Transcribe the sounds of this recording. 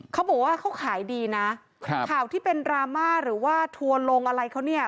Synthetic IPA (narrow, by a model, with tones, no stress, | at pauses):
kʰa˦˥wbɔː˨˩k̚waː˥˩kʰa˦˥wkʰaː˩˦jdiː˧na˦˥ | kʰkʰaː˨˩wt̪ʰiː˥˩pe˧nɾaː˧maː˥˩ɾɯː˩˦waː˥˩t̪ʰu˧ənlo˧ŋʔa˧ɾa˧jkʰa˦˥wni˥˩ɐ